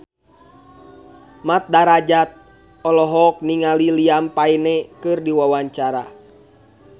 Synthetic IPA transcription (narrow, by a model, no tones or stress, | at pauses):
mat̪̚daɾad͡ʒat̪̚ | ɔlɔɦɔk̚niŋaliliampainɛkɨrdiwawaɲt͡ʃaɾa